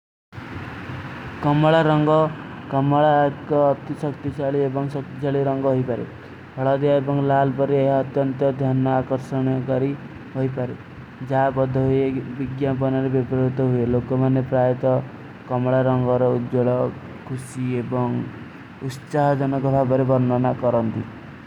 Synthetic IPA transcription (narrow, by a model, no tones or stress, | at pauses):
kɔmɔɭaɾɔŋɡɔkɔmɔɭakɔːt̪isʌkt̪isʰaɭiebɔŋsʌk̚t̪isʰaɭiɾɔŋɡɔɦojpaɾḛ | hɔɭad̪iaebɔŋlalpɔɾeeɦʌt̪jɔnt̪ɔd̪ʱjanːɔakɔɾsɔɽ̃kɔɾi | ɦojpaɾe | d͡ʒabɔd̪ʱːɔɦujebiɡjapɔnɔɾebɔbɾɔut̪ɔɦuelokɔmanepɾajɔt̪ɔ | kɔmɔɭaɾɔŋɡɔɾɔud̪d͡ʒɔɭɔ | kʰusiebɔŋ | ut̪saɦɔd͡ʒɔnɔkɔbʱabɔɾebɔɾnɔnakɔɾɔnt̪i